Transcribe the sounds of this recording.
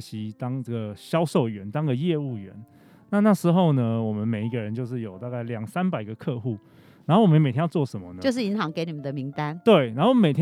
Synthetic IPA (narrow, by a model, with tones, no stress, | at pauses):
ɕi˧˥t̪ɑ˥ŋʈ͡ʂə˥˩ɡə˩ɕjɑ˦˥ʊʂo˥˩ʊɥɛ˧˦nt̪ɑ˥ŋɡə˨jɛ˥˧u˥˩ɥɛ̰˧˦n | na˥˧na˥˩ʂɻ̩˧˥xo˥˩ʊnə˦wɔ˨˩mə˦nme˨˩ɪi˧˥ɡə˧˨ɻə˧˦nt͡ɕjo˥˧ʊʂ̬ɻ̩˥˩jo˨˩ʊt̪a˥˧ka˥˩ɪljɑ˨˩ŋsa˦np̬a˨˩ɪɡə˩kʰɤ˥˧xu˥˩ | na˧nxo˥˩wm˦˧me˨˩t̪ʰjɛ̃˥jʊt͡swɔ˥˨˩ʂə˧˦nmə˧nə˦t͡ɕo˥˧ʊʂ̬̩˥˩i˧˥ŋxɑ˧˦ŋke˧˥ɪni˨˩mə˨˦nd̪ə˧˩mi˧˥ŋt̪a˦nt̪we˥˩ɪna˧˦nxo˥˩me˨˩ɪt̪ʰʲ